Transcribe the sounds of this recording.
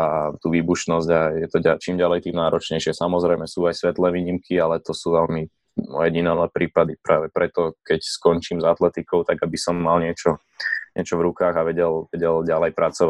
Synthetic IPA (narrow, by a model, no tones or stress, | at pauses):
at̪uːʋiːbuʃnɔzɟajɛt̪ɔɟat͡ʃiːmɟalɛjt̪iːmnaːɾɔt͡ʃɲɛjʃɪɛsamɔzɾɛjmɛsuːajsʋɛt̪lɛːʋiːɲimkʰialɛt̪ɔsuːʋɛlmi | mɔ̰jɛɟinɛlɛpɾiːpad̪ipɾʔa̰ːʋɛpɾɛt̪ɔkɛcskɔnt͡ʃiːmzat̪lɛt̪ikɔʊt̪aɡabisɔmːalɲɪɛt͡ʃɔ | ɲɪɛt͡ʃɔʋɾukaːɣaʋɛɟɛlʋɛɟɛlɟalɛjpɾat͡sɔʋa